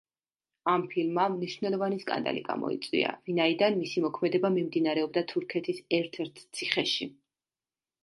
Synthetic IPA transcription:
ampʰilˠmamniʃvnɛlˠɔvaniskʼa̰nd̪a̰lḭɡa̰mɔ̰ḭt̪sʼwḭa̰vinaid̪anmisimɔkʰmɛd̪ɛbamimd̪inaɾɛɔbd̪at̪ʰuɾkʰɛt̪ʰisɛɾt̪ʰɛɾt̪ʰt̪sʰiχɛʃi

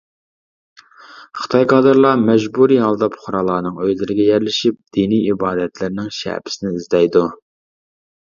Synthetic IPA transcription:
χə̥t̪ʰɑjqʰɑːd̪ɨɾlˠɑmɛʒbuɾiɦɑlˠd̪ɑpχʊɾɑlˠɑːnɨŋøjlɪɾɪɡʲɛjɛɾlɪʃip̚d̪̥iniibɑːd̪ɛt̪lɪɾɪnɪŋʃɛ̰hpɪ̥sɪnɪːzd̪ɛjd̪u

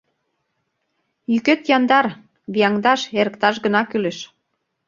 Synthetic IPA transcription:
jyket̪jɑnd̪ɑr | βijɑŋd̪ɑʃeɾə̆kt̪ɑʃɡə̆nɑkyleʃ

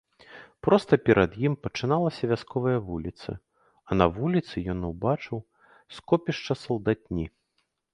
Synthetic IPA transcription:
pɾɔst̪ɐpʲɛɾʔɐd̪jimpɐt͡ʂɨn̪alˠɐsʲɐvʲaskɔvɐjɐvulʲit̪sɐ̰ | ɐnɐvulʲit̪sɨjɔnuwbat͡ʂɨw | skɔpʲiʂt͡ʂɐsɐlˠd̪at̪ʲnʲi

